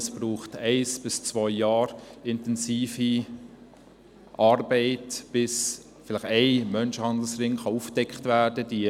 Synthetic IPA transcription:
sb̥ruːχtɛɪsb̥ɪst͡svɔʏjɑːɾɪntɛnsiːfi | ʔɑɾbeɪtb̥ɪs | fɪlɪχɛɪmœnʃəhɑnd̪l̩srɪŋχɑufd̥ɛkχtvæd̥əd̥iə

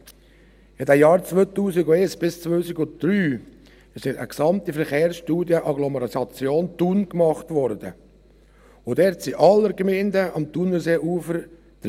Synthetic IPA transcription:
ɪdɛjɑːɾt͡sʋøːt̪uːsɪɡʊeːsb̥ɪst͡sʋvøsɪɡʊd̥ɾyː | sɪʃə̰ksɑmt̪ifəɾχeːɾsʃtuːdjəʔɑɡlɔməɾɑsɑt͡sjoːnt̪unkmɑχtʋɔɾdə | ʊdɛɾtsiʔɑlːəɾkmeɪndəʔɑmt̪unəseːʔuːfəɾ | d̥

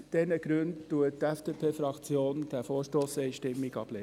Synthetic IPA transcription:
d̥ɛnəɡ̥ɾʉndtuətɛfd̥eːpʰeːfɾɑkt͡sjoːnd̥æfoːɾʃtoːsɛɪʃtɪmːiɡɑb̥le

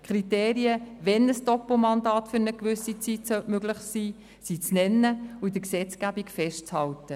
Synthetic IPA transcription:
kʰɾiteːɾiəvɛnəsd̥ɔpəl̩mɑndɑːtfʏɾnəkʋʏsit͡sitsœʔmøɡlɪχsiː | sit͡snɛnːəuɪdəksɛt͡skæbikfɛʃtt͡shɑltə

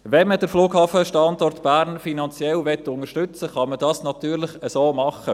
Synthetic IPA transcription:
ʋɛnməd̥əɾfluːɡhɑːfəʃtɑndɔrtb̥æːɾnfinɑnt͡sjɛlvɛtːʊnəɾʃtʏt͡səχɑmədɑːsnɑt̪yːɾlɪχəsoːmɑχə

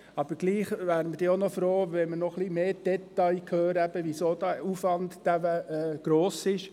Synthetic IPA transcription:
ɑb̥əɾɡ̥liːχʋæːɾəməd̥iːonɔfɾoːʋɛmənɔχlimeːd̥ɛtɑɪkʰhøːɾæb̥əʋisoːd̥æufvɑnd̪d̥æʋəɛːɡ̥ɾoːsɪʃ

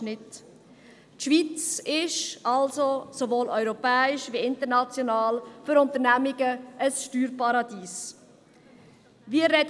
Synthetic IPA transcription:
nɪt | tʃʋit͡sɪʃalzosovoːlœʏɾopɛːɪʃviɪntəɾnat͡sjonɑːlfʏɾʊnt̪əɾnæmɪɡəəsʃtyːɾpɑɾɑdiːs | viːɾɛd

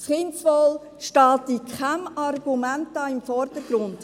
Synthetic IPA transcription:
χɪnsʋɔl | ʃtɑːtikχamɑrɡ̥umæntɑːɪmfɔrdəɾɡ̥ɾʊnd̥

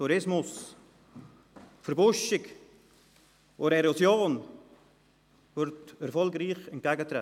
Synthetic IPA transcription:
tuɾɪsmʊs | fəɾbʊʃɪk | ʔoɾɛɾosjoːn | vʏɾtɛɾfɔlɡɾiːxɛnt̚ɡ̥ɛɡət̪ɾɛ̰

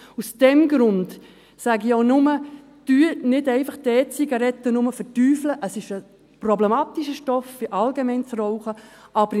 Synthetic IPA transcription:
usd̥ɛmɡɾʊnt | sæɡionʊmə | d̥yənɪdɛɪfɑχd̥ɛːt͡siɡɑɾɛtːənʊməfətyːfləʔəsɪʃə | prɔblɛmɑːtiʃəʃtɔffɪʔɑlɡemɛɪnt͡srɔʊχəʔɑbəɾ

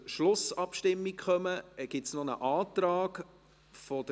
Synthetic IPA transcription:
ʃlʊsɑpʃtɪmːikχœməɡ̥ɪtsnɔnəʔɑːt̪ɾɑːk | fɔd̥ə

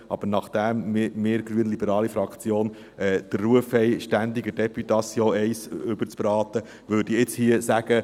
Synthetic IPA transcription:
ʔɑb̥əɾnɑχd̥̪æmɪmɪːɾɡɾyənlibəɾɑːlifɾɑkt͡sjoːn | ʔɛːd̪̥ərːuəfhɛɪʃtænd̪iɡəd̥ɛpyt̪ɑsjoːɛɪsʉb̥əɾt͡sbɾɑːt̪ə | ʋøːdiɪt͡shiəsæɡ̥ə

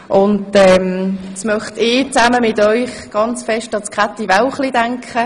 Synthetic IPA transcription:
ʔʊndɛmdɑsmœχtɪːt͡saməmɪtɔʏχɡ̥ɑnt͡sfɛʃtɑt͡skʁatːivaʊwχlidaŋkχə

